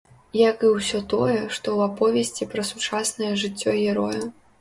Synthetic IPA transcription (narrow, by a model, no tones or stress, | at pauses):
jɐkɨwsʲɔt̪ɔjɛʂt̪ɔwapɔvʲɛsʲt͡sʲipɾɐsut͡ʂasnɐjɛʐɨt͡sʲːɔjʲɛɾɔju